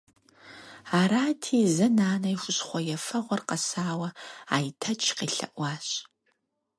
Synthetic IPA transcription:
aːɾaːtʰiːzɐnaːnɐjxʷʊɕχʷɔjɛfɐʁʷɔrqɐsaːwɐa̰ːjtʰɐt͡ʃʰqiːɬɐ̰ʔʷɑːɕ

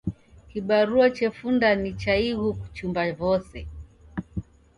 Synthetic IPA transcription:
kiɓaɾuat͡ʃɛfundanit͡ʃaiɣuku̥t͡ʃumbavɔsɛ

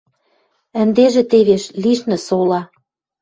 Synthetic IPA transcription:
ə̆nd̪eʒĕt̪eβeʃliʃnɘ̆solɑ

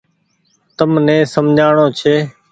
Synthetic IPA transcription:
t̪əmnẽːsəmd͡ʒʱaːɳoːt͡ʃʰeː

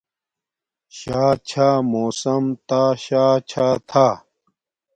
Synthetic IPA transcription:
ɕaːt͡ɕʰaːmoːsɐmt̪aːɕaːt͡ɕʰaːt̪ʰaː

